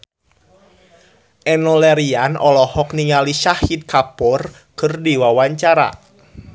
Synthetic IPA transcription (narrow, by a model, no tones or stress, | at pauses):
ʔɛnɔlɛɾianɔlɔhɔkniŋaliʃahit̪̚kapɔr | kərdiwawaɲt͡ʃaɾa̰